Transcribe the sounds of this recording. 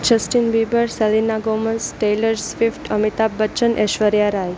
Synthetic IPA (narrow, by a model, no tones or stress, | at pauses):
d͡ʒəsʈinbibəɾsəlinːaɡomənsʈejləɾsfifʈəmit̪abːət͡ʃənʔeʃʋəɾjaɾaj